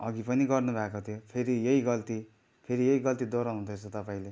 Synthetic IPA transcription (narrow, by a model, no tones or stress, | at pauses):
ʌɡipʌniɡʌrnubʱakot̪ʰijopʰeɾijʌiɡʌlt̪i | pʰeɾijʌiɡʌlt̪id̪oɾʌɦund̪ʰʌt͡sʰʌt̪ʌpaĩle